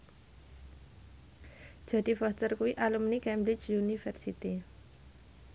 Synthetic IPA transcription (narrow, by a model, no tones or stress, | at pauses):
ʒ̥ä̤d̪̥ifɔst̪ərkuwiʔalumnikɛmbɾɪt͡ʃunifɛrsit̪i